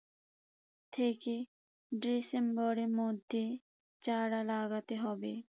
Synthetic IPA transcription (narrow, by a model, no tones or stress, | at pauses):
t̪ʰeːke | ɖisembɔɾemɔd̪ʱe | t͡ʃaːɽalaːɡat̪eɦɔbe